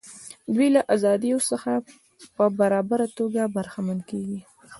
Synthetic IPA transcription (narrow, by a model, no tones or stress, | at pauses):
d̪wilaʔazɑd̪ijosəxa | pəbaɾɑbaɾat̪oɡabaɾxamankeɡi